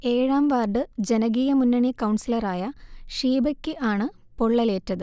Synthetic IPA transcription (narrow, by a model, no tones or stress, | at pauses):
e̞ːɻaːmʋaːrɖɨd͡ʑenɐɣiːjɐmunːɐɳikɐwɳsilɐraːjɐʂiːbɐkʲːɨʔaːɳɨ | poɭːɐle̞ːtːɐðɨ